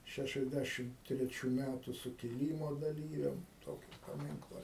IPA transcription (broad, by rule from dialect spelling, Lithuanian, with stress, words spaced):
ˌʃʲæʃʲɛzʲˈdʲæʃʲɪm tʲrʲɛˈt͡ʃʲuː ˈmʲætʊ sʊkʲɪˈlʲiːmoː dɐˈlʲiːʋʲɛm ˈtoːkʲɪ pɐˈmʲɪŋklˠɐ